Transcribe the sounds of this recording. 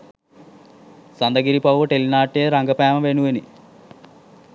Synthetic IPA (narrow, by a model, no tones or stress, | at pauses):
sɐnd̪ɐɡiɾipɐʋʋɐʈelinaːʈːeːɾɐŋɡɐpaːmɐʋenueni